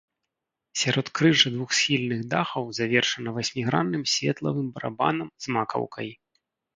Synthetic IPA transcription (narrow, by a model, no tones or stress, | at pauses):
sʲaɾɔt̪kɾɨʐɐd̪vuxsʲxʲilʲnɨɣd̪axɐwzavʲɛrʂɐnɐvasʲmʲiɣɾanːɨmsʲvʲɛt̪lˠɐ̰vɨmbɐɾa̰ba̰nɐmzmakɐ̰wkɐj